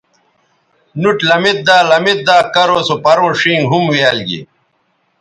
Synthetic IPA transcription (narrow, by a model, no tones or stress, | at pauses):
nuʈlɐmit̪̚d̪aːlɐmit̪̚d̪aːkɐɾoːsopɐɾõːʂiŋɡɦumwialɡḭ